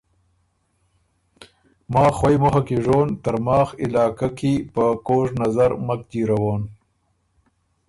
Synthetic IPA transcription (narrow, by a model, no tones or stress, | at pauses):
mɑːxwajmoɦakeʐoːnt̪aɾmɑːxɪlɑːkakepəkoːʐnazaɾmak̚d̪iːɾawoːn